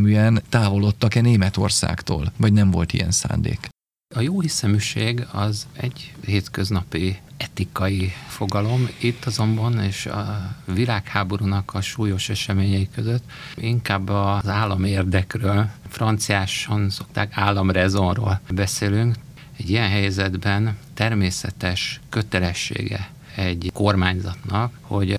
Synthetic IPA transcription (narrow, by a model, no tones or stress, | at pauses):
myɛnt̪aːvo̞lo̞t̪ːɒkɛneːmɛt̪o̞̰rsa̰ːkt̪o̰ːlvɒɟnɛɱvo̞̰lt̪ḭjɛ̰nsa̰ːnd̪ḛːk | ɒjoːɦisɛmyʃeːɡɒzɛ̰ɟheːt̪kø̞znɒpiɛt̪ikɒjifo̞ɡɒlo̞mit̪ːɒzo̞mbɒneːʃɒ̰vilaːkhaːbo̞ɾuːnɒkʰɒʃuːjo̞ʃɛʃɛmeːɲɛikøzøt̪ːiŋkaːbːɒzaːlːɒmeːrd̪ɛkrøːlfrɒnt̪sijaːʃɒnso̞kt̪aːkaːlːɒmrɛzo̞nro̰ːlbɛseːlyŋk | ɛɟːijɛnɦɛjzɛd̪bɛnt̪ɛrmeːsɛt̪ɛʃkø̞t̪ɛlɛʃːḛːɡɛ̰ | ɛɟko̞rmaːɲzɒt̪nɒkho̞ɟ